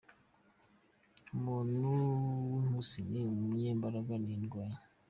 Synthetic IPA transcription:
mununusiniumuɲeːmbaɾaɡaninɡwaja

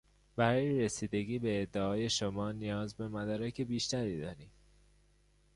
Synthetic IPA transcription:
bæɾɒːjeɾesiːd̪e̞ɟiːbe̞ːd̪ːeɒːje̞ʃomɒːnijɒːzbe̞mæd̪ɒːɾæcʰe̞biːʃt̪æɾiːd̪ɒːɾiːm

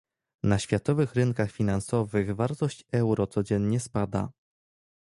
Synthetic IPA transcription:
naɕfʲjat̪ɔvɘxɾɘŋkaxfʲinansɔvɘɣvaɾt̪ɔɕt͡ɕɛwɾɔt̪sɔd͡ʑɛɲɲɛspad̪a̰

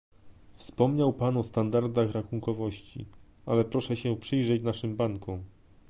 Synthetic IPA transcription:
fspɔmɲawpanɔst̪and̪aɾd̪axɾaxuŋkɔvɔɕt͡ɕḭalɛpɾɔʂɛɕɛpʂɘjʐɛt͡ɕnaʂɘmbaŋkɔ̃

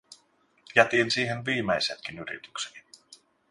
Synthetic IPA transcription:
jæt̪iːnsiːɦenʋiːmejset̪k̟inyɾḭt̪y̥ksel

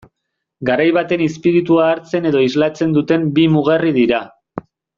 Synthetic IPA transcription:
ɡaɾajβat̪e̞nispiɾit̪uaːɾt͡se̞ne̞ð̞o̞izlat͡se̞nd̪ut̪e̞mbimuɣ̞eriðiɾa

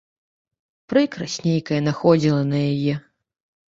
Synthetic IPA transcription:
pɾɨkɾɐsʲnʲejkɐjɐnaxɔd͡zʲilˠɐnɐjajɛ

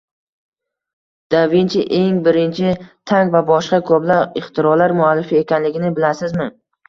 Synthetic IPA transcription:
d̪̥avint͡ʃʰɪʔe̞ŋbɪɾɪnt͡ʃʰɪt̪ʰaŋvabɒʃqɑkʰoplaɪχt̪ʰɪɾɒlaɾmʊalːɪfiekʲanlɪɡʲɪnɪbɪlasɪzmɪ

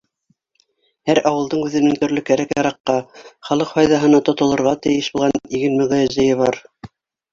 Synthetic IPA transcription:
hæɾɑwɤ̆lˠd̪ɤɴʉðɘ̆nɘŋt̪ɵ̆ɾlɵkæɾækjɑɾɑqːɑχɑlˠɤqfɑjðɑɦɤ̆nɑt̪ŏt̪ŏlˠŏɾʁɑt̪ɘ̆jɘʃbulˠʁɑniɡɘnmɤ̆ʁɤjæzɘ̆jɘβɑɾ

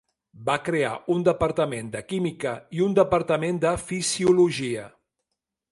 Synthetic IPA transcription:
bakɾea̰und̪əpəɾt̪əmend̪əkimikəiund̪əpəɾt̪əmend̪əfiziuluʒiə

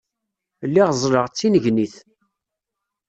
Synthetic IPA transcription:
lːiʁzˤləʁt͡sːinəʝniθ

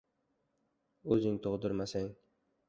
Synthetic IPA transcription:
ɵzɪŋt̪ʰoʁd̪ʊɾmasaŋ

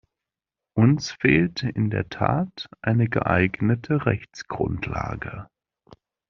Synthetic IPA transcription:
ʔʊnsfeːltʔɪndeːɐtʰaːtʔaɪnəɡə̰ʔaɪɡnətʰəʁɛçt͡sɡ̥ʁʊntʰla̰ːɡə

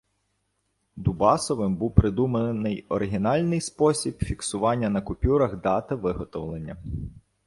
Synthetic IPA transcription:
d̪ubɑsɔʋɪmbuwpɾɪd̪umenɪjɔɾɪɦʲinɑlʲnɪjspɔsʲibfʲiksʊʋɑnʲːɐnɐkʊpʲuɾɐxd̪ɑt̪ɪʋɪɦɔt̪ɔwlˠenʲːɐ

